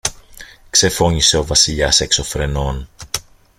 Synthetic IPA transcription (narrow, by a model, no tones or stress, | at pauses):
kse̞fo̞ɲise̞o̞vɐsiʎɐse̞kso̞fɾe̞no̞n